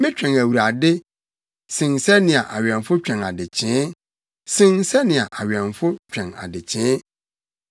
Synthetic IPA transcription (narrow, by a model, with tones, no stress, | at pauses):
mɪ̃˦t͡ɕᶣɛ̃˨ŋæ˨wu˨ɾa˨dɪ˦ | sɪ̃˨nsɛ˦nɪ̃˨a̰˨ʔa˨ɥɛ̃˨nfʊ˦t͡ɕᶣɛ̃˨na˨dɪ˨t͡ɕʰɪ̃˦ | sɪ̃˦nsɛ˦nɪ̃˨a˨ʔa˨ɥɛ̃˨nfʊ˦t͡ɕᶣɛ̃˨na̰˨dɪ˨t͡ɕʰɪ̃ː˨˦